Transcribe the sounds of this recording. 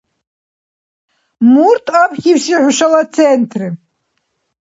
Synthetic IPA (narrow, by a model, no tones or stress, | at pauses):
murtʰʼapʰxʲiwsiʕʷʊʃɐlat͡sʰentʰrɨ